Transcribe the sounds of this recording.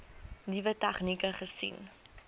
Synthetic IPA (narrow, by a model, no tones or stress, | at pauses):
nivətaχnikəχəsḭn